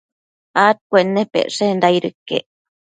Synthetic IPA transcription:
at̪̚kʷeʔnːepḛʔʂend̪ajɾɨkːḛʔ

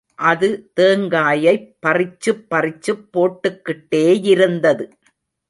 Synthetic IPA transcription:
ʔɐðɯt̪eːŋɡaːjɐɪppːɐrɪt͡ʃːɯpːɐrɪt͡ʃːɯpːoːʈːɯkːɪʈːeːɪɾɯnd̪ɐðɯ

